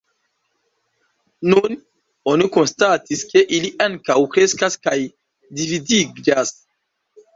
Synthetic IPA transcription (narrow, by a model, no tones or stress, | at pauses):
nun | onikonstatiske̞ʔiliʔaŋkawkɾe̞skaskaj | dividiɡd͡ʒas